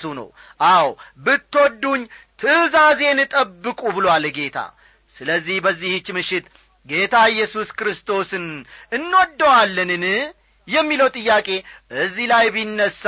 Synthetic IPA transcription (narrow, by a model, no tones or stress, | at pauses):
sunə̰w | ʔawbɨt̪ːwoɔd̪ːuɲːt̪ʰɨzaze̞nɨt̪ʼəbːɨkʼubɨlowalɡe̞t̪ʰa̰ | sɨləzːihbəzːihɨt͡ʃːmɨʃɪt̪ | ɡe̞t̪ʰaɪjːɛsuskɾɨst̪ʰo̞sɨnɨnːwod̪ːəwalːənɨn | jɛmːiləwt̪ʼɨjːakʼe̞ʔɨzilajbinːəsː